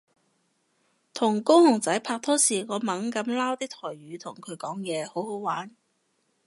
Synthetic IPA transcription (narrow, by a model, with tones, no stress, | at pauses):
t̪ʰʊ˨˩ŋkʊ˥whʊ˨˩ŋt͡sɐ˨˥jpʰaː˧k̚t̪ʰɔː˥siː˨ŋɔː˨˧mɐ˨˥ŋkɐ˨˥mlaː˥wt̪iː˥k̚t̪ʰɔː˨˩jɥyː˨˧t̪ʰʊ˨˩ŋkʰɵ˨˧ɥkɔː˨˥ŋjɛː˨˧ho˨˥who˨˥wwaː˨˥n